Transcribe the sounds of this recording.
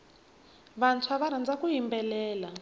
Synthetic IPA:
βant͡sʰwaβaɾand͡zakuɦimbɛlɛːla

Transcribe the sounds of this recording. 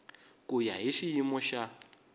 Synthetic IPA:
kʼujaɦiʃijimɔʃa

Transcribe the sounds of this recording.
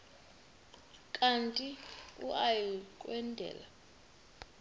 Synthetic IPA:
kʼantʼiṵʔajikʼwɛndʱɛ̰ːla

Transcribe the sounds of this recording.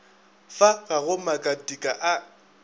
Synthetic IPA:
faɣaɣʊmakʼatʼikʼaʔa

